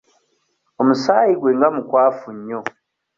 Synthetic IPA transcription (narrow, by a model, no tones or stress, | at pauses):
omusaːjiɡwe̞ŋɡamukwaːfuɲːo̞